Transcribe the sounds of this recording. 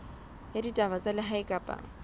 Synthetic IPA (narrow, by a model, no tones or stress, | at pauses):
jaditʼabat͡sʼalɪɦaɪkʼapʼa̰ːŋ̩